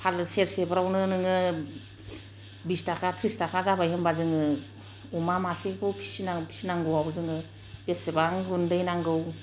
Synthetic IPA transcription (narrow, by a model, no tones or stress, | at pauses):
pʰalseɾsebɾawnɯnɯŋɯ | bistakʰatʰɾistakʰazabajhɯmbazɯŋɯ | umamasikʰɯwpʰi̥sinapʰi̥sinaŋɡɯwawzɯŋɯ | b̥esebaŋɡundɯjnaŋɡɯw